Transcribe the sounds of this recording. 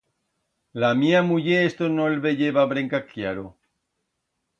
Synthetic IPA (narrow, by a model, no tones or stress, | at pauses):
lamiamuʎeest̪onolβeʎeβaβɾeŋkakjaɾo